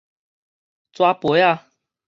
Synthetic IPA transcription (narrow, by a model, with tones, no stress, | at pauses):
t͡swa˥˦pɔ˨˦ja˥˧˨